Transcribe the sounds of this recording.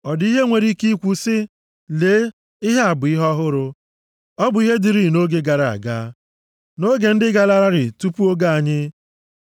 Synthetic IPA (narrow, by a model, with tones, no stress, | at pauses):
ɔ˨di˦ɦe˦ŋʷe˨ɾi˦ki˦kʷu˨sɪ˦ | le˨˦ | i˦ɦe˦a˨bʊ˨i˦ɦɔ˦ɦʊ˦ɾʊ˦ | ɔ˦bʊ˨i˦ɦe˦di˨ɾi˦˨no˦ɡe˦ɡa˨ɾa˨a̰˨ɡa̰ː˦ | no˦ɡe˨n̩˦dɪ˦ɡa˦la˦ɾa˦ɾɪ˨tu˦pu˦o˦ɡa˦a˨ɲɪ˦